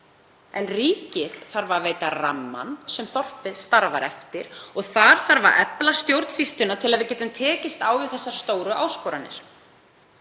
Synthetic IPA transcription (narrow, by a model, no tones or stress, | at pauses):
ɛnriːcɪðθaɾvaɾveːjt̪ara̰mːa̰nsɛmθɔr̥pɪðst̪aɾvaɾʔɛ̰ft̪ɪɾ̥ɔɣθaɾ̥θaɾva̰ɾʔɛplast̪jowɾt̪sist̪ʏnat̪ʰɪlaðvɪɾcɛːt̪ʏnt̪ʰɛːcɪst̪aːwvɪðθɛsːḁst̪oːwɾʏʔawskɔːɾanːɪ̰ɾ̥